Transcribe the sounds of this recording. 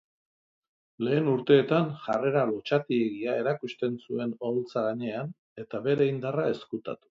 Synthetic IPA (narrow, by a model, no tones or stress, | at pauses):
le̞ːnuɾt̪e̞ːt̪anʝare̞ɾalot͡ʃat̪ieɣiae̞ɾakust̪e̞nsue̞nolt͡saɣaɲe̞an | e̞t̪aβe̞ɾe̞ind̪arae̞skut̪a̰t̪u̥